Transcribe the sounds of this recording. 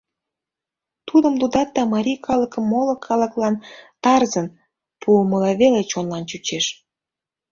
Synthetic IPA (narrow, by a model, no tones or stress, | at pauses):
t̪ud̪əmlud̪ɑt̪̚d̪ɑmɑɾʲijkʰɑləkəmːolə̆kʰɑləklɑnt̪ɑrzən | puəməlɑβelet͡ɕonlɑnt͡ɕut͡ɕeʃ